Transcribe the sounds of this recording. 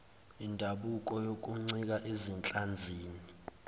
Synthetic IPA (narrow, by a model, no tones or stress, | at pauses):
indʱaɓukʼɔjokʼuŋ͡ǀik̬aʔezint͡ɬʼand͡zʱiːni